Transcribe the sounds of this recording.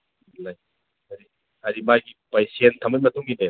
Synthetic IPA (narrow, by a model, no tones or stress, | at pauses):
laj | ɐɾi | ɐɾimajɡipajsentʰɐmət̚mɐtʰuŋɡine